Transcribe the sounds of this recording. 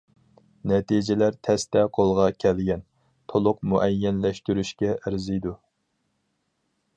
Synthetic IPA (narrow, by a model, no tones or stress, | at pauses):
nɛt̪ʰid͡ʒɪlæɾt̪ʰɛst̪ɛqʰolˠʁɑkʲʰɛlɡʲɛn | t̪ʰolˠʊq̚muʔɛjːɛnlɛʃt̪yɾyʃkʲɛʔɪɾzɨjd̪u